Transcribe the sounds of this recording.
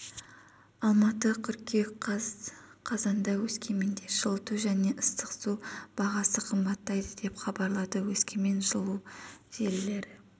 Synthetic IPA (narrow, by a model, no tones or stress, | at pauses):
ɑlˠmɑt̪əkʲʰʏɾkʲe | qʰɑzɑnd̪ɑwɵskʲʰe̞me̞nd̪e̞ʒəlˠət̪uʒæne̞ʔəst̪əqsub̥ɑʁɑsəqʰəmbɑt̪ːɑjd̪əd̪e̞pχɑbɑɾlˠɑd̪əwɵskʲe̞me̞nʒəlˠuʒ̥e̞lːe̞ɾɪ